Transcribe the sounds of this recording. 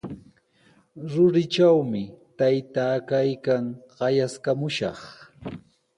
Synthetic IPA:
ɾʊɾɪt͡ʃawmɪt̪ajt̪aːkajkaŋɢɑjaskamʊʃɑχ

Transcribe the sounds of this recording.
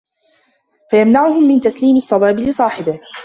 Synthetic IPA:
fajamnaʕʊhʊmːɪnt̪asliːmɑsˤːɑwɑːbɪlɨsˤɑːħɪbɪh

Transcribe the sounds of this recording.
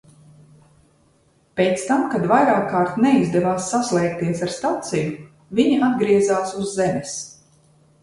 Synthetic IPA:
pejt̪st̪amkad̪vajɾaːkːaːɾt̪nɛizd̪ɛvaːsːaslˠɛjk̚t̪iɛsaɾst̪at̪siju | vʲiɲiʔad̪ɡɾiɛzaːsuzːɛmʲɛs

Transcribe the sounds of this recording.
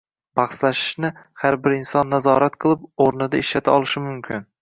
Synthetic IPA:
bɑχslaʃɪ̥ʃnɪhaɾbɪɾɪnsɒnːazɒɾat̪qʰɨlˠɪp̚oɾnɪd̪aɪʃlat̪ʰaɒlˠɪʃɪmʊmkʲʰɪn

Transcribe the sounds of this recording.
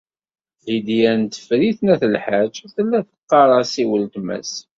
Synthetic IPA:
lid̪jænt̪ə̥fɾiθnæθəlħad͡ʒθəlːæθə̥qːɑɾˤɑsiwəlt̪mæ̰s

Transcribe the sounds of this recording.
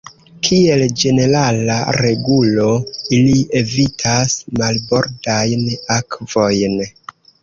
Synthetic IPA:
kʰie̞ld͡ʒe̞ne̞ɾala̰ɾe̞ɡulo̞ilie̞vitʰasmalbo̞ɾdajnakvo̞jn

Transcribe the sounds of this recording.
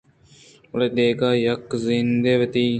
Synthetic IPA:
leːɗ̪eːɡaːjəkzɪ̃nd̪eːʋet̪iː

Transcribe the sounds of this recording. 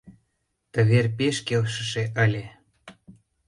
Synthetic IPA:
t̪ə̆βerpeʃkelʃə̆ʃeəlʲe

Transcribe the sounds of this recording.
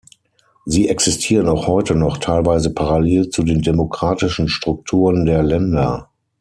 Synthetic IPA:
ziːʔɛksɪstʰiːʁənaʊχhɔʏtənɔχtʰaɪlvaɪzəpʰaʁaleːlt͡sudeːndemokʁ̥aːtɪʃn̩ʃtʁ̥ʊk̚tʰuːʁəndeːɐlɛndɐ

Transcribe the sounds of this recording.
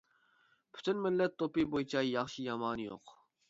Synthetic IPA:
pʰy̥t̪ʰynmɪlːɛt̪ʰːopibojit͡ʃʰɑjɑχʃijɑmɑːnjo̰q

